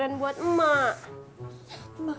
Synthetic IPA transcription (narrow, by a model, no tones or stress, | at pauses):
anbuət̪̩̚ma